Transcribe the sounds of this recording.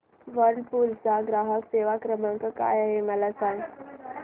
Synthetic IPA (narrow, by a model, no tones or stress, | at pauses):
ʋəɾɳpult͡saɡɾaɦəkseʋakɾəmãŋkaka̰jɦeməlasaŋɡ